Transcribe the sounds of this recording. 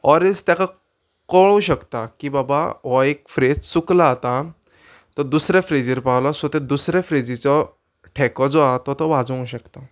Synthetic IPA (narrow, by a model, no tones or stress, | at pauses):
ɔɾest̪jaka | kɔɽ̃ũɕəkt̪akibabaʋɔekfɾed͡zsuklaːt̪a | t̪ɔd̪usɾefɾed͡ziɾpawlɔsɔt̪ed̪usɾefɾed͡ʑit͡sɔ | ʈʰɛkɔd͡zoat̪ɔt̪ɔʋad͡zũɕəkt̪a